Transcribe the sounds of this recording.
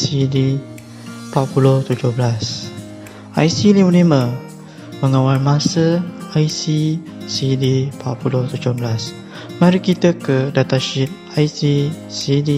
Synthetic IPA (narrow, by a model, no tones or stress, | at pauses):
sidi | paʔ̚pulʊht̪ud͡ʒohblas | a̰jsiliməlimə̃ | məŋawalmãsəajsi | sidipat̚puloht̪ud͡ʒohblas | mãɾikit̪əkədat̪aʃit̪̚ | ajsi | sidi